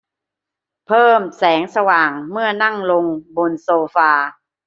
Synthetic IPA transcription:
pʰɤː˥˩msɛː˩˦ŋsa˧waː˨˩ŋmɯ˥˩ɐna˥˩ŋlo˧ŋbo˧nsoː˧faː˧

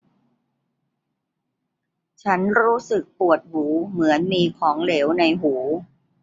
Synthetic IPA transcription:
t͡ɕʰa˦˥nɾuː˦˥sɯ˨˩k̚pu˨˩ət̪̚huː˩˦mɯ˩˦ənmiː˧kʰɔː˩˦ŋleː˩˦wna˧jɦuː˩˦

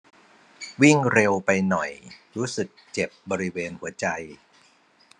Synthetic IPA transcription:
wi˥˩ŋɾe˧wpa˧jnɔ˨˩jɾuː˦˥sɯ˨˩k̚t͡ɕe˨˩p̚bɔː˧ɾi˦˥weː˧nhu˩˦ɐt͡ɕa˧j

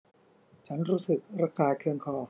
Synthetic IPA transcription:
t͡ɕʰa˦˥nɾuː˦˥sɯ˨˩k̚ɾa˧kaː˧kʰɯ˧əŋkʰɔː˧˩

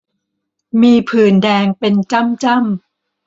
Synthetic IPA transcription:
miː˧pʰɯː˨˩ndɛː˧ŋpe˧nt͡ɕa˥˩mt͡ɕa˥˩˨m

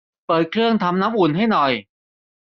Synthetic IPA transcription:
pɤː˨˩t̪̚kʰɾɯ˥˩əŋt̪ʰa˧mna˦˥mʔu˨˩nɦa˥˩jnɔ˨˩j

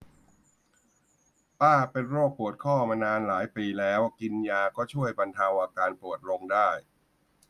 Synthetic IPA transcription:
paː˥˩pe˧nɾoː˥˩k̚pu˨˩ət̪̚kʰɔː˥˩maː˧naː˧nlaː˩˦jpiː˧lɛː˦˥wki˧njaː˧kɔː˥˩t͡ɕʰu˥˩əjba˧nt̪ʰa˧wʔaː˧kaː˧npɾu˨˩ət̪̚lo˧ŋdaː˥˩j

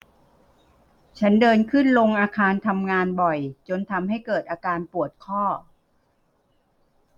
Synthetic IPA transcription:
t͡ɕʰa˦˥ndɤː˧nkʰɯ˥˩nlo˧ŋʔaː˧kʰaː˧nt̪ʰa˧mŋaː˧nbɔ˨˩jt͡ɕo˧nt̪ʰa˧mhɦa˥˩jkɤː˨˩t̪̚ʔaː˧kaː˧npu˨˩ət̪̚kʰɔː˥˩

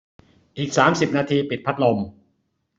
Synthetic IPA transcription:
ʔiː˨˩k̚saː˩˦msi˨˩p̚naː˧t̪ʰiː˧pi˨t̪̚pʰa˦˥t̪̚lo˧m

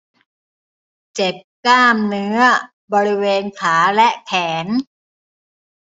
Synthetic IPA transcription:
t͡ɕe˨˩p̚klaː˥˩mnɯ˦˥ɐ | bɔː˧ɾi˦weː˧nkʰaː˩˦lɛ˦˥ʔkʰɛː˩˦n

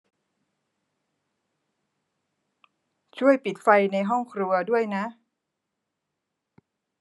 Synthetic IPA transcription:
t͡ɕʰu˥˩əjpi˨˩t̪̚fa˧jna˧jɦɔ˥˩ŋkʰɾu˧ɐdu˥˩əjna˦˥ʔ

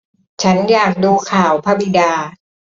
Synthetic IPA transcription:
t͡ɕʰa˦˥njaː˨˩ŋ̚duː˧kʰaː˨˩wpʰa˧bi˧˨daː˧

